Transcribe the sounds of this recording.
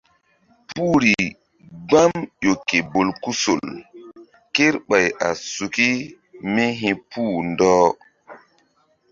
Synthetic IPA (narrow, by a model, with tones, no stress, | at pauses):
puː˦ɾi˨ | ɡ͡ba˦mjo˨ke˨bo˨lku˦so̰˨l | ke˦ɾɓa˨ja˨su˨ki˦ | mi˦ɦĩ˦pʰuː˦˨ndɔː˦